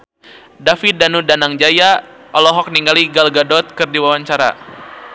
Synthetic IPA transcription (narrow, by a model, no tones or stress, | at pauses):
dafidanudanaŋd͡ʒajaʔɔlɔɦɔk̚niŋɡaliɡalɡadɔt̪̚kɨrdiwawaɲt͡ʃaɾa̰